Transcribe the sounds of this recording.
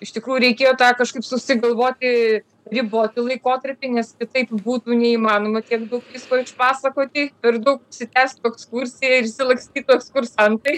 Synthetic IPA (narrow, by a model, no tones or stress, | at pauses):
ɪʃt̪ʲɪkɾuːjuɾʲɛɪkʲeːjoːt̪ɑːkɐʃkɐɪpsʊsʲɪɡɐlˠʋoːt̪ʲɪ | ɾʲɪboːt̪ʲɪlˠɐɪkoːt̪ɐɾʲpʲɪnʲɛskʲɪt̪ɐɪpbuːt̪uːnʲɛiːmɑːnoːmɐt̪ʲiɛkd̪ɐʊkʋʲiːskoːɪʃpɑːsɐkoːt̪ʲɪpʲɛɾd̪ɐʊkʊʃʲsʲɪt̪ʲæːsʲt̪oɛkskuɾʲsʲɪjɛɪɾɪʃʲsʲɪlˠɐksʲt̪ʲiːt̪oɛkskʊrsɐnt̪ɐɪ